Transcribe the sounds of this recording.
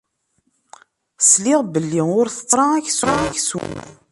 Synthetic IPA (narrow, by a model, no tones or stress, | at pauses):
slɪʁbəlːiʊɾθə̥t̪ˤːɾˤɑæçsɾɑæçsṵn